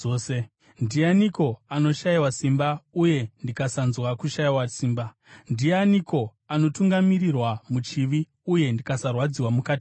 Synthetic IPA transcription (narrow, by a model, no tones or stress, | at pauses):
oːse | ndianiko̞ano̞ʃaiwasimbauje̞ndikasanzwakuʃaiwasiːmba | ndianiko̞ | ano̞tuŋɡamirirwamut͡ʃiʋi | uje̞ndikasarwad͡ziwamukaːti